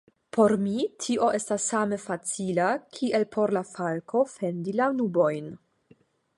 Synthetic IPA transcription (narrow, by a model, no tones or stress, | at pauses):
pʰo̞ɾmitʰiʔo̞ʔe̞stasːame̞fat͡silakʰiʔe̞lpʰo̞ɾlafalkʰo̞fe̞ndilanubo̞jn